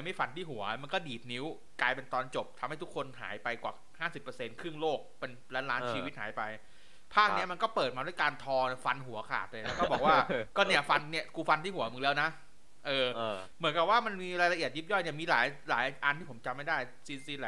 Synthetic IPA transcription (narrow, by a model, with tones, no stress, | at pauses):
jma˥˩jfa˧nt̪ʰiː˥˩ɦu˩˦ɐma˧nkɔː˥˩diː˨˩t̪̚ni˦˥w | klaː˧jpe˧nt̪ɔː˧nt͡ɕo˨˩p̚t̪ʰa˧ma˥˩jt̪ʰu˦˥kʰːo˧nɦa̰ː˩˦jpa˧jkwa̰ː˨˩ | haː˥˩si˨˩pːɤ˧se˧nkʰɾɯ˥˩ŋloː˥˩k̚pe˧nlɛː˦˥laː˦˥nt͡ɕʰi˧wt̪̚ha̰ː˩˦jpa˧j | pʰaː˥˩k̚ni˦˥ɐma˧nkɔː˥˩pɤː˨˩t̪̚maː˧du˥˩˨jkaː˧nt̪ʰɔː˧ni˥˩fa˧nɦu˨˩˦ɐkʰa̰ː˨˩t̪̚lɤ˧lɛɛ˦˥wkɔ˥˩bɔː˨˩kwaː˥˩kɔː˥˩ni˥˩ɐfa˧nni˥˩kuː˧fa˧nt̪ʰiː˥˩u˨˩˦ɐmɯ˨˩˦lɛː˦˥wna˦˥ | ʔɤː˧ | mɯ˩˦nka˨˩p̚waː˥˩ma˧nmiː˧ɾaː˧jla˧ʔi˨˩ət̪̚ju˦˥p̚jɔ˥˩jni˥˩miː˧laː˩˦jla̰ː˩˦jʔa˧nt̪ʰiː˥˩pʰo˩˦mt͡ɕa˧mːa˥˩jdaː˥˩j | si˧nsiː˧˥lɛ˧˩